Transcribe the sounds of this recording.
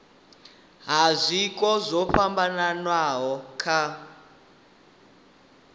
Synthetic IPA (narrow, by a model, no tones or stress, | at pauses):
ɦazʷikʼɔzʷɔɸambananwaɦɔkʰa